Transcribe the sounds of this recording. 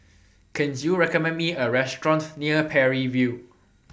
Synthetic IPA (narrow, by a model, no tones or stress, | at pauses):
kʰɛ̃njuɹɛkɔmɛ̃nmiəɹɛstɹɔ̃ntniəpʰɛɹivju